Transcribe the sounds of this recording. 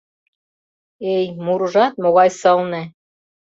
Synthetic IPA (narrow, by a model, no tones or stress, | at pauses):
ejmuɾʒɑt̪̚moɣɑjsɤ̆lnĕ